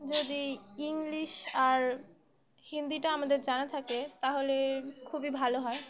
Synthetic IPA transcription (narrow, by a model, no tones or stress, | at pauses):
d͡ʑod̪iiŋliʃaɾ | hind̪iʈaamad̪eɾd͡ʑanat̪ʰaket̪aɦolekʰubibʱaloɦɔe